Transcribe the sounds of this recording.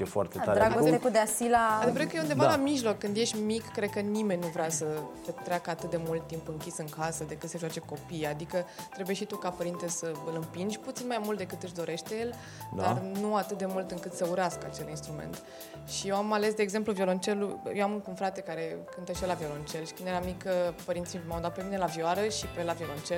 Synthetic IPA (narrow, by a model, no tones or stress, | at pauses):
jefoa̰rt̪etd̪aɾɾaɡoseekud̪easilaad̪vɾekəjeund̪evalamiʒlo̞kːɨnd̪je̞ʃt̪ʲmikːɾe̞d̪̚kənime̞nʲnuvɾeasət̪et̪ɾeakəat̪ɨt̪̚d̪e̞mult̪ːimpɨŋkʲisɨŋkasəd̪e̞kɨt̪seʒowat͡ʃe̞ko̞pijad̪ikət̪ɾe̞bujeʃit̪ukapəɾint̪esəɨlɨmpind͡ʒʲput̪sinmajmult̪d̪e̞kɨt̪ɨʃ̬d̪o̞ɾe̞ʃt̪e̞je̞l | d̪arnuat̪ɨt̪̚d̪e̞mult̪ɨŋkɨt̪səuɾaskəat͡ʃe̞linst̪ɾumḛnt̪ | ʃijewamale̞sd̪eːɡze̞mpluvjo̞lo̞nt͡ʃe̞lujewamkunfɾat̪e̞kaɾe̞kɨnt̪eʃjelavjo̞lo̞nt͡ʃe̞lʃi̥kɨnd̪eɾamikːəpəɾint̪sijmawd̪at̪̚pe̞mine̞lavioaɾəʃipelavijo̞lo̞nt͡ʃel